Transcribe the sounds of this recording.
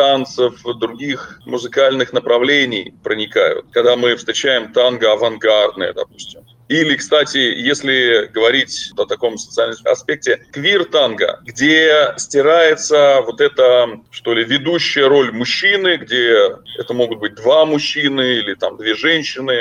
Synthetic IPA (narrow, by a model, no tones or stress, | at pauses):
t̪ant̪səfd̪ɾʊɡʲixmʊzɨkalʲnɨxnəpɾɐvlʲenʲɪjpɾənʲɪka̰jʊ̰t̪̚kɐɡd̪amɨfst̪ɾʲɪt͡ɕæjɪmt̪anɡəɐvɐnɡard̪nɨ̰jə̰d̪ɐ̰pu̥sʲtʲɪm | ilʲɪkst̪atʲɪjesʲlʲɪɡəvɐɾʲitʲt̪ət̪ɐko̞msə̥t̪sɨalʲnɐspʲek̚tʲɪkvʲirt̪anɡə̰ɡdʲesʲtʲɪɾajɪt̪səvo̞t̪ɛt̪əʂt̪o̞lʲɪvʲɪd̪uɕːɪjəɾo̞lʲmʊɕːinɨɡdʲeɛ̰t̪əmo̞ɡʊt̪̚bɨt̚ʲd̪vamʊɕːinɨilʲɪt̪amd̪vʲe̞ʐɛnʲɕːɪnɨ